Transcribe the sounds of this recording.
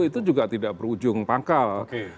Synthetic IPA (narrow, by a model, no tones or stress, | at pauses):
it̪ud͡ʒuɡaʔt̪idaʔbəɾud͡ʒʊŋpakalk